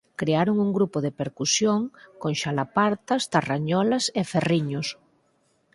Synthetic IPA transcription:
kɾeaɾoŋuŋɡɾupoðepeɾkusjoŋkoŋʃalapaɾt̪ast̪araɲɔlaseferiɲos

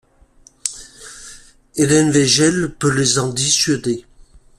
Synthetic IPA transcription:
elɛnvɛʒɛlpølezɑ̃d̪isɥəd̪e

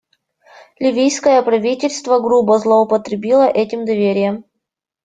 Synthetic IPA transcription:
lʲɪvʲijskəjəpɾɐvʲitʲɪlʲst̪vəɡɾubəzlˠəʊpət̪ɾʲɪbʲilˠəʔɛtʲɪmd̪ɐvʲeɾʲɪjəm

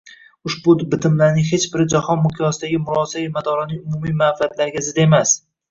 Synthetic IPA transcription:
ʊʃbʊbɪt̪ʰɪmlaɾnɪŋhe̞t͡ʃbɪɾd͡ʒahɒnmʊqʰjɒsɪd̪aɡʲɪmʊɾɒsaɪmad̪ɒɾanɪŋʊmumijmafɪat̪laɾɡʲazɪd̪e̞mas

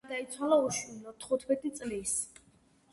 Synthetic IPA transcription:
d̪ait̪sʰwalauʃilɔt̪ʰχut̪ʰmɛt̪ʼit̪sʼlis

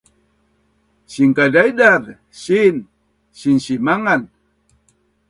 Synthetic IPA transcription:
ɕiŋkadajdaɾ | ɕin | ɕinɕimaŋan

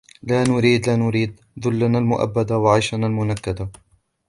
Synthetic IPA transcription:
laːnʊɾiːd̪laːnʊɾiːd̪ | ðʊlːanaːlmʊʔa̰bːad̪awaʕajʃanaːlmʊnakːad̪a

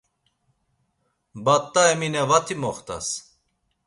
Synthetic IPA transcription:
bat̪ʼːaɛminɛvat̪ʰimɔχt̪ʰa̰s

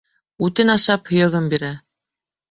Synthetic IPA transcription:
ʉt̪ɘnɑʃɑphŏjɤ̆ʁɤmbiɾæ

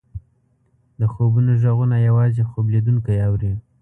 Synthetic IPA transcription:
d̪əxobunoʒaɣunajawɑzexobled̪uŋkajawɾi

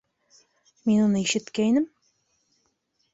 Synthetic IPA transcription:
minunɤiʃɘ̆t̪kæjnɘm

